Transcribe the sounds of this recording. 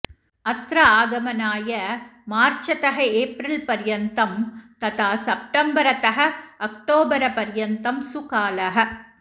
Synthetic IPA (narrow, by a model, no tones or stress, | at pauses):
ɐt̪ɾɐaːɡɐmɐnaːjɐmaːɾt͡ʃɐt̪ɐɦɐeːpɾɐlpɐɾjɐnt̪ɐmt̪ɐt̪aːsɐp̚ʈɐmbɐɾɐt̪ɐɦɐɐk̚ʈoːbɐɾɐpɐɾjɐnt̪ɐmsʊkaːlɐɦɐ